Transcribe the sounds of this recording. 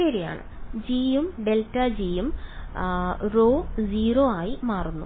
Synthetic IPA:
eːɾija̰ːɳɨ̰d͡ʑiːjumɖeltɐd͡ʑiːjum | roːd͡ʑiːroːaːjimaːrunːu

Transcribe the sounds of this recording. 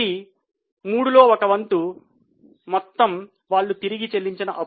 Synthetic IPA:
i | muːɽulo̞ːɔkɐʋɐnt̪u | mɔt̪ːɐm | ʋaːɭːut̪iɾiɡit͡ʃe̞lːiɲt͡ʃinɐʔɐ

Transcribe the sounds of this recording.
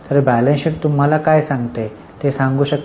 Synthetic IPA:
t̪əɾbælẽnɕiʈt̪um̤alakajsãŋɡt̪e | t̪esãŋɡuːɕək̚t̪

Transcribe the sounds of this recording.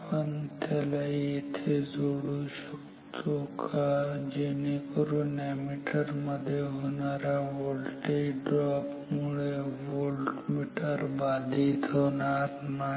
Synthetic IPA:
pənt̪elaet̪ʰezoːɽuʃək | t̪ʰõkʰad͡ʒenikoɾunemiʈəɾmɐd̪ʱeɦoːnaːɾaʋoːlʈiɖɾɔːp | mʊɭeʋoːlʈmiʈəɾbaːd̪ʱit̪ʰoːnaɾna

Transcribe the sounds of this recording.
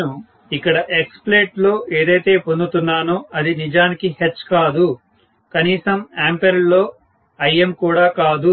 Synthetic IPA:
u | ikːɐɽɐʔekspleːʈlo̞ːʔeːd̪ɐjt̪e̞ːpond̪ut̪unːaːnuːɐd̪inid͡ʒaːnikihet͡ʃːkaːd̪u | kɐniːsɐmaːmpeɾlo̞ː | ɐjemkuːɽaːkaːd̪u

